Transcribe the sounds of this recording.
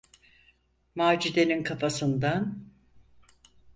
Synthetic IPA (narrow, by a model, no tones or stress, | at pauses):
maːd͡ʒid̪e̞ninkʰafasɯnd̪an